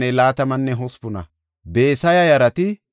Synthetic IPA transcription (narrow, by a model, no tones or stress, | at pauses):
ɛlaːt̪ɐmɐnːɛɦɔspʊnɐ̰ | beːsɐjɐjɐɾɐt̪ɪ